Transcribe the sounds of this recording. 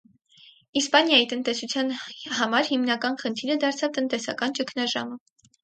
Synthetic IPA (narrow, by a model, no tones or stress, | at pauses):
ispɑnjɑjit̪ənt̪ɛsut͡sʰjɑnhɑmɑɾhimnɑkɑnχənt̪ʰiɾəd̪ɑɾt͡sʰɑvt̪ənt̪ɛsɑkɑnt͡ʃəkʰnɑʒɑmə